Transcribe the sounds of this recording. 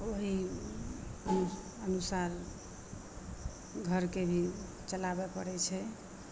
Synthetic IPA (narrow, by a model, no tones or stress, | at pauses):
oɦi | ə | ənusaɾ | ɡʱəɾkebʱi | t͡ʃəlabɛpə̰ɾɛt͡ʃʰɛ